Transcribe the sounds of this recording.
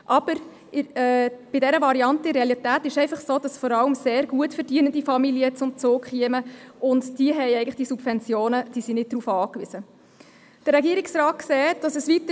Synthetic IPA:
ʔɑb̥əɾ | ɛb̥ɪdɛɾəvɑɾiɑntɪɾeɑlitæːtɪʃɛɪfɑχsoːd̥ɑsfɔɾɑləmseːɾɡuətfəɾd̥iənəndifɑmiliət͡sʊmt͡soːkχiəməʔʊntd̥iəɦɛjɛɪɡn̩ləχd̥isub̥vɛnt͡sjoːnəd̥iːsinɪt̚d̥ɾuːfɑːkʋizə | d̥əɾːɛɡiəɾɪksɾɑːt̚ksɛːtd̥ɑsəsʋitə

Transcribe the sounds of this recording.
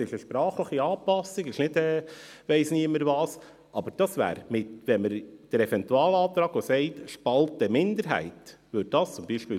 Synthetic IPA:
ɪʃəʃpɾɑːχləχiɑːpɑsɪɡɪʃnɪdɛːʋɛɪsniəməɾvɑːs | ʔɑb̥əɾd̥ɑsvæ̰ːɾmɪtʋɛnməɾd̥əɾɛfɛntuɑːlɑːt̪ɾɑːɡ̥osɛɪtʃpɑltəmɪnd̪əɾɦæ̰ɪt | ʋød̚d̥ɑst͡sʊmbiːʃpiː

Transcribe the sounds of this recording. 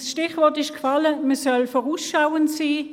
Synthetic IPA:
sʃtɪχʋɔʁtɪʃkfɑləməsœlfɔʁuːsʃawəntsiː

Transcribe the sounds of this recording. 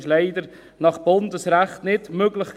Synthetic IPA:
ʃleɪdəɾ | nɑχb̥ʊndəsɾæχtnɪdmøɡləχk

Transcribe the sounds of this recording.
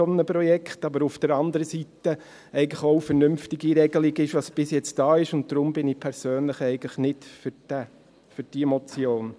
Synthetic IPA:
ɔmnəpɾɔjɛkχtɑbəɾufd̥əɾɑndəɾəsitə | ɛɪɡən̩tləχofəɾnʏmftɪɡiɾɛɡəlɪɡɪʃʋɑsb̥ɪsjɛt͡st̚d̥ɑːɪʃʊntd̥ɾʊmbɪniːpʰɛɾsøːnləχɛɪɡələχnɪtfʏd̥æ | fʏɾd̥iəmɔt͡sjoːn

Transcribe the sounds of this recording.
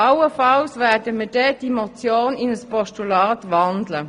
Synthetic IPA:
ɑwəfɑlsʋæːɐdəmid̥ɛd̥imɔt͡sjoːnɪnəspɔʃtulɑːt̪ʋɑndlə

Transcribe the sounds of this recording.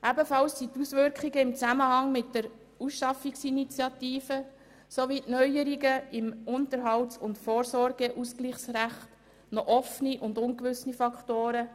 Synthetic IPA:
ʔæbəfɑlsːitusʋʏɾkχiɡəɪmt͡sæməhɑŋmɪt̚dəɾ | usʃɑfiksinit͡sjɑtiːfə | soʋitnœʏəɾiɡəɪmʊntəɾɦɑwtt͡sʊntfoːɾsɔɾɡɛʔuskliːχsræχt | nɔʔɔfniʔʊndʊŋkʋʏsnifɑkχtoːɾə

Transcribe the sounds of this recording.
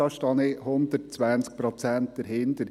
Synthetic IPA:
ɑʃtɑnehʊnd̪ət̚t͡sʋænsk̚pɾɔt͡sænt̚d̥̪əɾɦɪndəɾ

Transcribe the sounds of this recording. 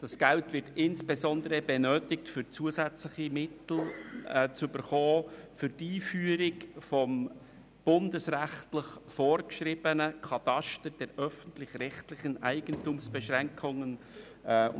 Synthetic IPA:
d̥ɑsɡ̥æltvɪtɪnsb̥ɛzɔndəɾəbɛnøːtɪk̚tfʏɾt͡suəzɛt͡slɪχimɪtl̩ː | t͡sʏbəɾχɔːfʏɾtiːfyːəɾɪkfɔm | b̥ʊndəsɾæχtlɪχfɔːɾkʃɾɪb̥ənəkʰɑt̪ɑʃtəɾd̥ɛɾʔœfən̩tlɪχrɛχtlɪχənʔæɪɡ̥əntumsb̥ɛʃɾæŋkʰʊŋən

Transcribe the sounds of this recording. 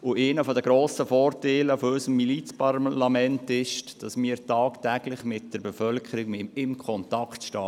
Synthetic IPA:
ʊʔeːnəfɔd̪əɡɾoːsəfɔːɾteɪləfɔœsəmːilit͡spɑɾlɑmɛntɪʃd̥ɑsmɪːəɾtɑːktæɡ̥lɪχmɪt̚d̥əɾbɛfœlkʰəɾikmɪɪmkʰɔntɑkχtʃtɑː

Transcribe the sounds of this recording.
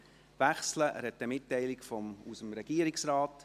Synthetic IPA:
ʋæχsləʔɾɛt̪ːəmɪtːɛɪlɪkfɔmusəmɾɛɡ̥iəɾɪksɾɑːt

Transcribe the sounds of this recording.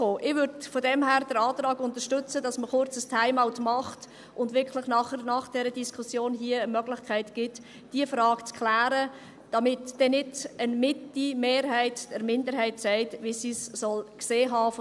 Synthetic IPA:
oːʔɪʋʏɾdfodɛmɦæːɾd̥əɾɑːtrɑːɡʊntəɾʃtʏt͡səd̥ɑsməχʊɾt͡səstʰhaɪmaʊtmɑχt | ʔʊndʋɪɾkʰlɪχnɑχənɑχd̥ɛɾədiskʰʊsjoːnɦiəəmœɡlɪçkʰæɪtɡ̥ɪt | d̥iəfɾɑːɡ̥t͡skʰlæːɾə | d̥ɑmɪtd̥ɛnɪtənmɪtimeːɾɦæɪtd̥ɛɾmɪndəɾɦæɪtsæɪtʋisisːɔlkseːɦɑːf

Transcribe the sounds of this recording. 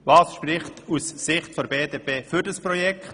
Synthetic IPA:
vɑːsʃpɾɪχtussɪχtfɔɾbeːdeːpeːfʏɾdəspɾɔjɛkʰt

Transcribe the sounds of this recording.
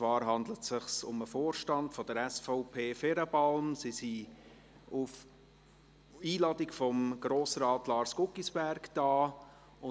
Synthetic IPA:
t͡svɑːɾɦɑndlətsɪχsʊməfoːɾʃtɑntfɔd̥əɾɛsfaʊpʰeːfɛɾəpɑlmsisi | uf | iːlɑːdikfɔmɡ̥ɾoːsɾɑːtlɑːɾsɡ̥ʊkisb̥æɾkd̥ɑː | ʊ

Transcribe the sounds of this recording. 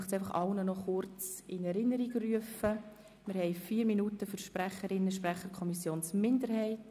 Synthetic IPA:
χtsæɪfɑχɑlnənɔχʊɾt͡sɪnɛɾɪnːəɾiɡryəfə | mɪɾhɛɪfiːɾminutəfʏɾʃpɾæχəɾɪnːəʃpɾæχəɾkʰɔmisjoːnsmɪndəɾhɛɪt

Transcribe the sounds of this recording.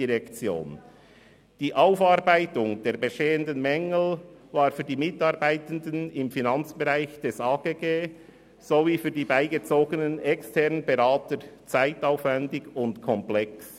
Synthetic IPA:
iʁɛkt͡sjo̰ːn | d̥iːʔaʊfɑːɾbaɪtʊŋd̥eːɾbeʃteːəndənmɛŋl̩ | vaːɾfyːɐdiːmɪtɑːɾbaɪtən̩dənɪmfinɑnt͡sb̥eʁaɪçd̥ɛsaːɡ̥eːɡeː | z̥oviːfyːɐdiːbaɪɡət͡soːɡənənɛkstʰɛɐnəbeʁaːtəɾt͡saɪtaʊfvɛndɪɡʊntkʰɔmplɛks

